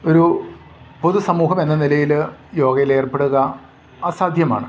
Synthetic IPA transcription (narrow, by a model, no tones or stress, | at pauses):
o̞ɾu | po̞ðusɐmuːɦɐme̞nːɐnilɐjiljo̞ːɡɐjile̞ːrpe̞ɽuɣɐ | aːsaːd̪ʱjɐma̰ːɳɨ